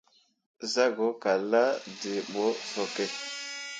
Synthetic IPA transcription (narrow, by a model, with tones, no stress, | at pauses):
za˦ɡo˨˦ka˨la˦de˨ɓɔ˨˦sɔ˨kɛ˦˨